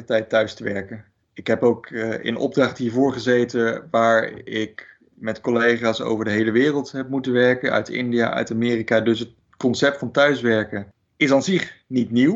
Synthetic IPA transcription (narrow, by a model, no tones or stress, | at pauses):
ətɛjtœɥstəʋɛɹkə | ɪkɦɛpowkə̰nɔ̰b̚drɑχtɦiːɹvʊːɹχəzejtəʋaːɹɪk | mɛtkɔlejχaːso̰wvəɹdəɦejləʋɪːrəlˠtɦɛp̚mutənʋɛɹkənœ̰ɥtɪ̰ndija̰ʔœ̰ɥtamɪːrikaːdɵsət | kɔnsɛp̚tfɑntœɥsʋɛɹkə | ɪsanzɪχnitniw